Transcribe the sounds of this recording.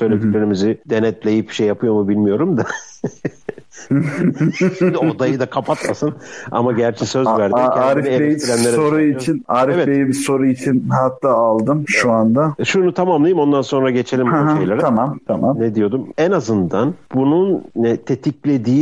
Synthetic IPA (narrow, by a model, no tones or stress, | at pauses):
sø̞jlʲe̞d̪iclʲe̞ɾimizɪd̪̥e̞nɛt̪lʲejip̚bi̥ʃejːapʰɯjo̞mubilʲmijo̞ɾumd̪a | d̪iod̪ajɯd̪akʰapʰat̪masɯna̰maɟæɾt͡ʃʰɛsø̞zvæɾdaɾieeiɾænlʲeɾsoɾuit͡ʃʰinaɾevɛtejibiso̞ɾuit͡ʃʰinɦat̪ːaːlˠd̪ɯmʃuand̪aʃunut̪ʰamamlˠajimo̞nd̪anso̞nɾaɟe̞t͡ʃʰe̞lʲimʃejlʲˠaɾamamt̪ʰamamned̪ijo̞d̪umɛnazɯnd̪anb̥ununɛt̪ʰe̞t̪ʰiclʲe̞d̪iː